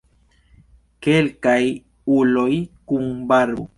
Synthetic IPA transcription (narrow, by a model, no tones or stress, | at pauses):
kelkaj | ulojkuŋbaɾbo̰